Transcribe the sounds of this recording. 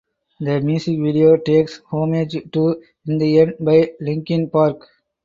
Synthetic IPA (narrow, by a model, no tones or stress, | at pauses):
d̪əmjuːsɪkʋiɖioːʈeːkshõːmeːd͡ʒʈu | ɪ̃nd̪iɛ̃ɳɖbaɪlɪ̃ŋkɪ̃npaːɾk